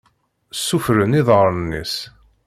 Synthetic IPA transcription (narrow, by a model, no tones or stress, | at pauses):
sːufɾəniðˤʁəɾˤnːḭs